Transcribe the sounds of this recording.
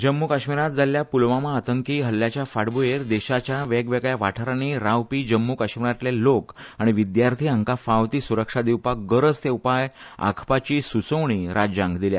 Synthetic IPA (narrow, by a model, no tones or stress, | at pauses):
d͡ʑəmːukaɕmiɾat̪̚d͡zaljapulʋamaːt̪əŋkiːɦəlːjat͡ɕjafaɽbujeɾd̪eɕat͡ɕjaʋeɡʋeɡɭjaʋaʈʰəɾañiɾawpiːd͡ʑəmːukaɕmiɾat̪lelokaɽ̃iʋid̪jaɾt̪ʰiːəŋkafaʋt̪iːsuɾəkʂad̪iwpakɡəɾəd͡zt̪ewpaj | a̰kʰpat͡ɕiːsut͡səʋɳ̃iɾad͡ʑãŋɡd̪ilja̰